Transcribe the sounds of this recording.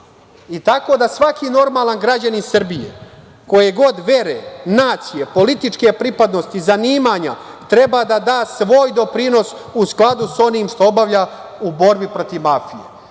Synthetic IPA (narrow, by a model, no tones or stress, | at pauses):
it̪ako̞d̪asʋakino̞ɾmaːlˠanɡɾad͡ʑaninsr̩bijḛ | ko̞jeɡo̞d̪ʋe̞ɾenaːt̪sije̞po̞lit̪it͡ʂke̞pɾipad̪no̞st̪izaniːmaɲa | t̪ɾe̞bad̪ad̪aːsʋo̞ːjd̪o̞pɾino̞s | usklˠad̪uso̞niːmʃt̪o̞obaʋʎa | ubo̞ɾbipɾo̞t̪iʋmafijḛ